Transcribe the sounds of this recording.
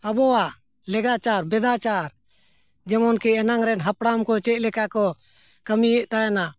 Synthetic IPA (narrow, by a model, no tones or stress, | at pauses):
əbɔa | lɛɡat͡ʃaɾbɛd̪at͡ʃaɾ | d͡ʒɛmɔnkiɛnaŋɾɛnɦapɽamkɔt͡ʃɛc̚lɛkakɔ | kəmijɛʔt̪ajana